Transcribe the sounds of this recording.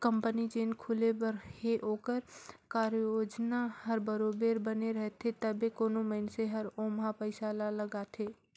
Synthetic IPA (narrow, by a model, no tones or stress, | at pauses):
kəmpənit͡ʃeːnkʰulebəɾheʔoːkəɾkaːɾjoːd͡ʒnahəɾbəɾobeɾbəneɾəɦɛt̪ʰet̪əbekoːnoməɪnseɦəɾoːmɦapəɪsalaləɡat̪ʰe